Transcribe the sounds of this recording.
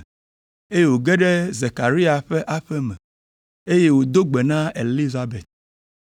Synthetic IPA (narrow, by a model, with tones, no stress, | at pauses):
e˦je˦wo˨ɡɛ˦ɖɛ˦ze˨ka˨ɾi˦a˨ɸɛ˦ʔa˦ɸɛ˦mɛ˨ | e˦je˦wo˨d̪o˦ɡ͡be˨nã˦e˨li˦za˦be˨t̪̚